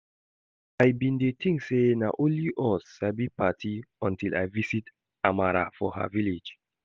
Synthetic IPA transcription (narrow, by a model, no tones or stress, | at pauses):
ajbĩndetʰĩŋsenaʔõnliʔɔsabipʰatʰiɔ̃ntila̰jvisit | amaɹa̰fɔha̰viled͡ʒ